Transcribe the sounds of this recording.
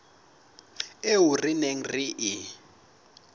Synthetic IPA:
eurineŋ̩riʔi

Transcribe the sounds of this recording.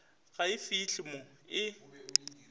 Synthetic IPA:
ɣaɪfiːɬʼɪmɔɪ

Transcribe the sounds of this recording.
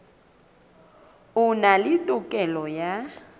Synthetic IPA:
ʊnalɪtʼʊkʼɛlɔja

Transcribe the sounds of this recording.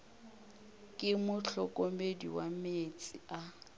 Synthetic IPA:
kʼɪmʊɬɔkʼomedḭwamet͡sʼia

